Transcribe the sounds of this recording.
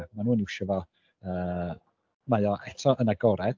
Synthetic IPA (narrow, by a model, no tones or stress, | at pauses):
manuːniwʃɔvɔ | əː | majɔʔɛtʰɔʔənaɡɔɾɛ